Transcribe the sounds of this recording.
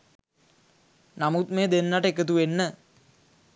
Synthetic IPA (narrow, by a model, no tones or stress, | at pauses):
namut̪̚meːd̪enːaʈəekət̪̬uʋenːə